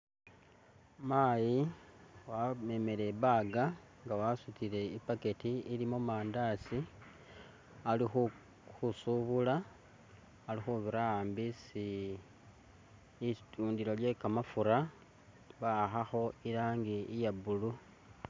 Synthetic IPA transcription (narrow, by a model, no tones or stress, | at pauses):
maːji | wame̞me̞le̞βaɡa | ŋɡawasutile̞ipaketiilimomaːndasi | alixu | xusuβulaː | lixuβiɾaaːmbisi | tuːndiɾo̞lje̞kamafuɾa | βaxaxo̞ilaːŋɡiijabulu